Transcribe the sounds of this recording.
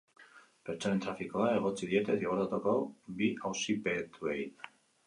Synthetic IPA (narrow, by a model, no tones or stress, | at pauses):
pe̞ɾt͡soaɾe̞nt̪ɾafikoðae̞ɣ̞o̞t͡siðie̞t̪e̞θiɣoɾt̪at̪okobiawsipe̞t̪ʰuej